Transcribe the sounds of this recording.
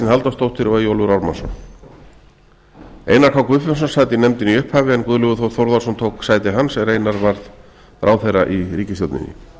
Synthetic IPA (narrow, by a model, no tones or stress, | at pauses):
ɪnhalt̪ast̪owht̪fɪɾɔvajowluɾawɾma̰nsɔ̰ | ḛjnaɾkʰawkvʏfs̬ɔnsaːjt̪ɪnɛmt̪ɪniʏhphaːvɪɛnkvʏðlʏɣʏθowθowɾðḁsɔmt̪ʰowksaːjt̪ɪɦansɛɾeːjnaɾvaɾð | ɾaːwθejraʔiɾiːcɪsjowlt̪nɪ̰nːɪ̰